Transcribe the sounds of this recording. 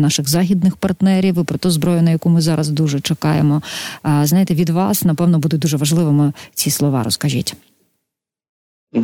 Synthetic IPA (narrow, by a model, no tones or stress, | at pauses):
nɑʃɪɣzɑxʲid̪̚nɪxpɐrt̪nɛɾʲiʋɪpɾɔt̪ɛzbɾɔjʊnɐjɐkumɪzɑɾɐzd̪uʒɛt͡ʃɛkɑjemɔznɑjɪt̪ɛʋʲid̪ʋɑsnɐpɛwnɔbud̪ʊt̚ʲd̪uʒɛʋɐʒlˠɪʋɪmɔt͡sʲislˠɔʋɑ̰ɾɔ̰skɐʒʲḭtʲ